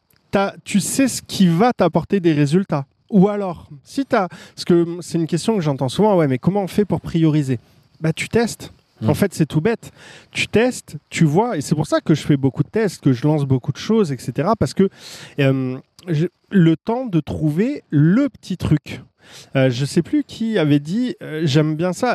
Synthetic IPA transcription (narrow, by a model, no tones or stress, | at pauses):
t̪at̪ysɛsə̥kʲʰivat̪apɔʁt̪ed̪eʁezylt̪a | ualɔʁsit̪asə̥kəmsɛt̪ynkʲɛst̪jɔ̃kəʒɑ̃t̪ɑ̃suvɑ̃wɛmɛkɔmɑ̃fɛpuʁpχijɔʁize | bat̪y̥t̪ɛst̪ | ɑ̃fɛt̪sɛt̪ubɛt̪ːy̥t̪ɛst̪ːyvwaesɛpuʁsakəʒəfɛbokud̪ət̪ɛst̪̚kəʒəlɑ̃sbokud̪əʃozɛkset̪eʁapaʁsə̥kəømʒe | lət̪ɑ̃d̪ət̪χuveləpə̥t̪ʰit̪χykʲ | øʒəsɛplykʲʰiavɛd̪iøʒɛmbjɛ̃sa